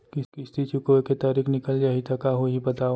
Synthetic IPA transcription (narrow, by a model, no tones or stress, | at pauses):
kɪskɪst̪it͡ʃukoket̪aːɾiːkʰnɪkəld͡ʒaːɦit̪ʰɐkaɦoɦibɐt̪aːo